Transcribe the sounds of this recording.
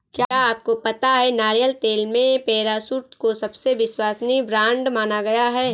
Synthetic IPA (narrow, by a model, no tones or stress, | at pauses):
kjaaaːp̚kopɐt̪aɦɛnaːɾijəlt̪eːlmẽpeːɾasuɾt̪kosɐbseʋɪswaːsnibɾãːɳɖmaːnaɡɐjaɦɛː